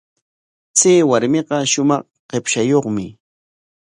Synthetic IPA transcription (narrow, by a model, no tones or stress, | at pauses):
t͡seːwaɾmeɢɑʃʊmɑχ | ɢepʃajoχmɪ